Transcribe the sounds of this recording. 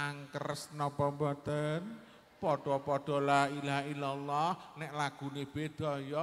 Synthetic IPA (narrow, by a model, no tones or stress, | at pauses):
aŋkərəsnɔpəmbɔt̪ən | pɔɖ̥ɔpɔɖ̥ɔ̤lailaɦilalːɔhnɛʔlaɡ̥ṳneb̥ed̪̥ɔjɔ